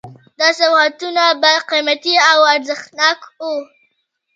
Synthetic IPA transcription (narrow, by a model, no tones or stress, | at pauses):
d̪ɑsahat̪unabaqimat̪iawaɾzaxt̪nɑku